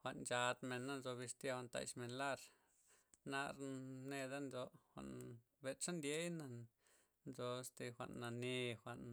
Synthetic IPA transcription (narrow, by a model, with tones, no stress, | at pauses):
xʷa˨ʔnt͡ʃa˧d̪me˨˧nːa˦nzo˧βi˧st̪ja˧wa˧nt̪a̰˧˨jt͡ʃme˧nla˦˧ɾ | na˧ɾne˧d̪a˦nzo˧xʷa̰˨ʔn | be˧t͡ʃa˦nd̪je˦jna˧ | nzo˧st̪e˧xʷa̰˨ʔnːa˨ni˧xʷa˨ʔn